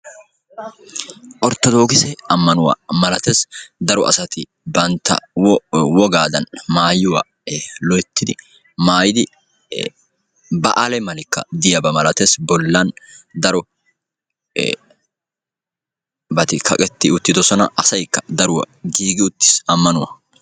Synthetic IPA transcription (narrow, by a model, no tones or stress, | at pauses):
ʔʼɔɾt̪ːɔd̪o̞ːɡɪsɛɐmːɐnʊwa̰ːmɐlɐt̪eːsd̪ɐɾɔʔɐ̰sɐt̪ɪ | bɐnt̪ːɐ̰wɔwɔɡaːd̪ɐnmaːjʊwa̰ː | lɔjt̪ːɪd̪ɪ | maːjɪd̪ɪ | bɐʔɐlɛmɐlɪkːɐ̰d̪ɪjɐbɐmɐlɐt̪eːsbɔlːɐnd̪ɐɾɔ | bɐt̪ɪkʰɐ̰kʼɛt̪ːɪʊt̪ːɪd̪ɔsɔnɐʔɐsɐjkːɐd̪ɐɾʊwɐ̰ɡiːɡɪʊt̪ːɪ̥sɐmːɐnʊwɐ̰